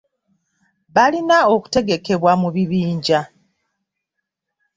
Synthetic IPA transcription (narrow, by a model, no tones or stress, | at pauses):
βalinaoku̥te̞ɡe̞ke̞βwamuβiβiːɲɟa